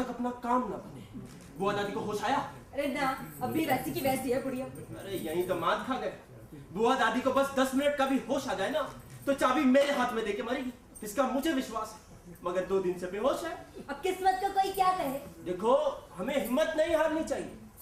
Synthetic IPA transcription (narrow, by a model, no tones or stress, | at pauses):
ɐkɐpnakaːmnɐbɐneː | buad̪aːd̪ikoɦoːʃaːjaː | ɐɾenɐɐbʱːiʋɛːsikiʋɛːsiɦɛpʊɽijãɐɾejɐɦĩt̪omãːd̪kʰaɡɐj | buad̪aːd̪ikobɐsd̪ɐsmɪnəʈ̚kabʱiɦoːʃaːd͡ʒaːenat̪ot͡ʃaːbʱimeːɾeɦaːt̪ʰmẽd̪eːkemɐɾeːɡi | ɪskamʊd͡ʒʱeʋɪʃwaːsɦɛː | mɐɡəɾd̪oːd̪ɪnsebeɦoːʃaeɐb̚kɪsmət̪̚kakoːikjaːkɐɦed̪eːkʰoɦɐmẽɦɪmːət̪nɐɦĩɦaːɾnɦĩt͡ʃaːɦiḛː